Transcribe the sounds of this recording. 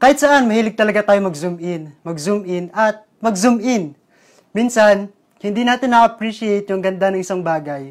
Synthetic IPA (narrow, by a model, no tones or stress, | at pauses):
kaːhɪt̪sɐʔanmɐhiːlɪɡ̚t̪ɐlɐɡat̪aːjomɐɡsʊmʔɪnmɐɡsʊmʔɪnʔɐt̪̚mɐɡsʊmʔɪn | minsan | hɪnd̪iːnaːt̪ɪnːɐʔɐpɹiʃɪejt̪jʊŋɡɐnd̪anɐŋʔɪsaŋbaːɡɐj